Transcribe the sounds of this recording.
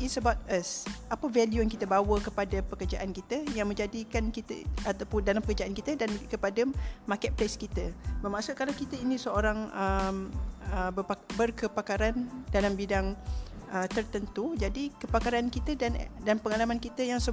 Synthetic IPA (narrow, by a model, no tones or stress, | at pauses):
isəbawt̪̚əsʔapəvɛljujaŋkit̪əbawəkəpadapəkərd͡ʒaʔankit̪əjaŋmə̃ɲd͡ʒadikankit̪ə̰at̪apʊndalampəkərd͡ʒaʔankit̪ədankəpadamãkɛʔ̚plaskit̪əbərmasʊʔ̚kalawkit̪əinĩsəoɾaŋəməbəabərkəpakaɾandalambidaŋət̪ərt̪ənt̪ud͡ʒadikəpakaɾankit̪ədandanpəŋalamankit̪əjaŋsə